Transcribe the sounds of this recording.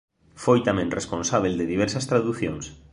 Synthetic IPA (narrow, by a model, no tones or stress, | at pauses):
fojt̪amẽnresponsaβ̞eld̪eðiβ̞ɛɾsast̪ɾaðuθjoŋs